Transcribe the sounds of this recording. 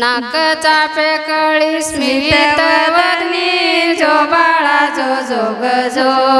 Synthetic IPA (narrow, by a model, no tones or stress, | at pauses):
nakət͡sapekəɭismit̪et̪əʋəd̪nid͡zobaɭad͡zod͡zoɡəd͡zo